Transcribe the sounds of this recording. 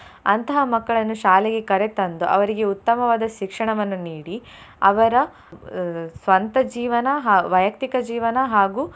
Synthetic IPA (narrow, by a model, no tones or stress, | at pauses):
ɐnt̪ɐɦɐmɐkːɐɭɐnːuʃaːlɛɡe̞kɐɾet̪ɐnd̪uʔɐʋɐɾiɡe̞ut̪ːɐmɐʋaːd̪ɐʃikʂɐɳɐʋɐnːuniːɽi | ɐʋɐɾɐ | sʋɐnt̪ɐd͡ʒiːʋɐnɐɦaːʋɐjɐk̚t̪ikɐd͡ʒiːʋɐnɐɦaːɡuː